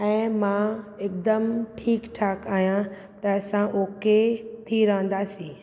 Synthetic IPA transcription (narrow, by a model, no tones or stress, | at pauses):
ɛ̃ːmãeːkd̪əmʈʰiːkʈʰaːkaːɦijã | t̪ɐɐsãʔoːket̪ʰiɾɐɦə̃n̆d̪aːsĩː